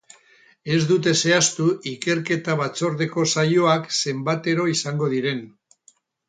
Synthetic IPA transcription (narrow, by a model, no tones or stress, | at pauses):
e̞zd̪ut̪̬e̞se̞ast̪uʔike̞ɾke̞t̪aβat͡so̞ɾðe̞ko̞sajo̞akse̞mbat̪e̞ɾo̞isaŋɡo̞ð̞iɾe̞n